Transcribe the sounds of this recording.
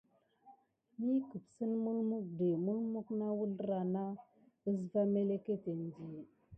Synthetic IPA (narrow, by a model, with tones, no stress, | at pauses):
mi˦kə˨psə˦nmu˦lmu˦k̚de˨mu˦lmu˦kna˦wu˦lɾa˨na˦ | ə˦s̬va˦me˦le˦ke˦te˨n˨di˨